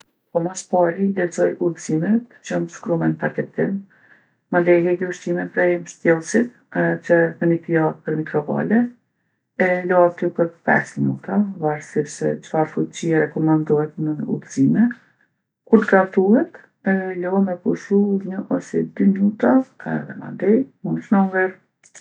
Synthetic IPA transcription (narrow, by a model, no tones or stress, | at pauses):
pɔmaspaɾilɛɾzɔjʔuðzimɛt̪t͡ʃɔmʃkɾumɛnpakɛt̪im | mənd̪ɛɦɛɡiuʃt̪imɛt̪pɾɛmʃt̪jɛlˠsit̪̚ | t͡ʃəpənit̪iapəɾmikɾɔva̰lɛ | ɛlɔat̪ipəɾpɛ̰sminut̪avaɾsipsɛ̰t͡ʃə̥faɾfut͡ɕiɛɾɛkɔmand̪ɔhɛt̪nəṵt̪zimɛ | kuɾt̪ɡat̪uhɛt̪ | ɛlɔɛmɛpuʃuɲəʔɔsɛd̪yminut̪aɛ̰ðɛma̰nd̪ɛjmunt͡ʃnɔŋvɛɾ